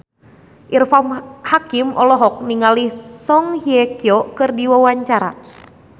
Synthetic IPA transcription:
ʔirfamhakimʔɔlɔɦɔk̚niŋalihsɔŋhiɛkiɔkɨrdiwawaɲt͡ʃaɾa̰

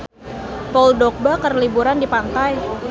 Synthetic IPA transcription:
pauldok̚bakərlibuɾandipant̪aj

